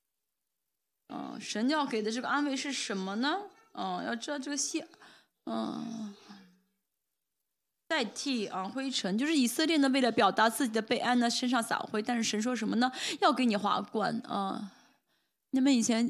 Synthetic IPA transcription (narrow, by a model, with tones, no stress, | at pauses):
ə̰˧ʂə˧˥nt͡ɕjɑ˥˩ke˨˩ɪlə˦ʈ͡ʂɤ˥˩ə˩ʔa˥nwe˥˧ɪʂɻ̩˥˩ʂə˧˥nmə˧nə˨ | ə˧˩jɑ˥˧ʊʈ͡ʂ̩˥d̪ɑ˥˧ʈ͡ʂɤ˥˩ɡə˩ɕɛ˥ | ə˥˧ | t͡sa˥˧ɪt̪ʰi˥˩ə˥˧xwe˥ɪʈ͡ʂʰə˧˥ŋt͡ɕjo˥˧ʊʂɻ̩˥˩i˨˩sɤ˥˧ljɛ˥˩nə˩we˥˩ɪlə˩pjɑ˨˩ʊt̪a˧˥t͡sɹ̩˥˩t͡ɕi˨˩d̪ə˦pe˥˧ɪʔa˥˩nnə˩ʂə˥nʂ̬ɑ˥˩ŋsa̰˨˩ʊxwe˥˩ɪt̪a˥˧nʂɻ̩˥˩ʂə˧˥nʂwɔ˥ʂ̬ə˧˥nmə˧nə˧jɑ˥˩ʊke˧˥ɪni˨˩xwa̰˧˥kwa̰˥˩nə̰˧˩ | niɛ˥˩mə˧˥ni˨˩t͡ɕʰjɛ˧˥n